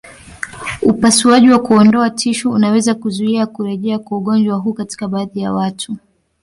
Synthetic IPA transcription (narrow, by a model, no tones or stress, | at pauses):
upasiaʄiwakuɔndɔatʰiʃɔunawɛzakuzuiakuɾɛʄɛakwauɠɔnd͡ʒwaɦuːkati̥kaɓaːðija̰watʰu